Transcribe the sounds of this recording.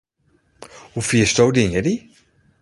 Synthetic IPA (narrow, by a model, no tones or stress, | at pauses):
hufiəstowdɪŋədi